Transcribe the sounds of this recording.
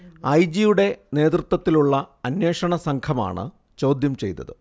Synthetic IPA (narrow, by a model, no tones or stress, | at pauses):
ɐjd͡ʑijuɽe̞ne̞ːd̪rɨt̪ːwɐt̪ːiluɭːɐɐnje̞ːʂɐɳɐsɐŋkʰɐma̰ːɳɨ̰ | t͡ɕo̞ːd̪jɐmt͡ɕe̞jt̪ːɐ̰ðɨ